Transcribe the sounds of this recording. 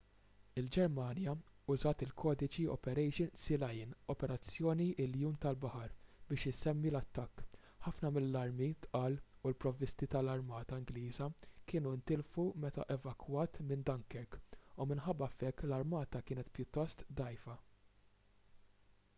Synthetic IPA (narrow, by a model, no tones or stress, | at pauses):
ɪld͡ʒɛɾmɐːnjɐʊzɐːt̪ɪlkʰɔːd̪ɪt͡ʃiɔ̰pɛɾɛjʃɪnsɪlɐjɪnɔpɛɾɐt͡sːjɔːniʔɪljuːmt̪ɐlbɐħɐɾbɪːʃɪsɛmːilɐt̪ːɐkː | ħɐfnɐmɪlːɐɾmit̪ʔɐːlulpɾɔvɪst̪it̪ɐlɐɾmɐːt̪ɐɪŋɡliːzɐkɪːnunt̪ɪlfumɛt̪ɐ̰ʔɛvɐkwɐːt̪mɪnd̪ɐŋkɛɾkumɪnħɐbːɐfɛkːlɐɾmɐːt̪ɐkɪːnɛt̪pjʊt̪ːɔst̪d̪ɐjfɐ